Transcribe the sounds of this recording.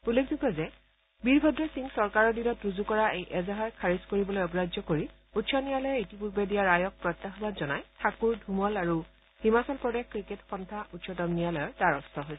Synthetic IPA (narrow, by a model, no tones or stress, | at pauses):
ulːek̚dikɔzɛ | biɹbʱɔdɹɔsiŋsɔɹkaɹɔɹdinɔtɹuzukɔɹaʔejʔɛzaɦaɹkʰaɹiskoɹibɔlojɔɡɹazɔkoɹi | utsʰɔnijalɔjɔɹitipuɹbedijaɹajɔk̚pɹɔt̪ːaxɔbazɔnajtʰakuɹdʱumɔlaɹu | himasɔlpɹɔdexkɹiketxɔntʰaʔutsʰɔtɔmnijalɔjɔɹtaɹɔstʰɔɦojsɛ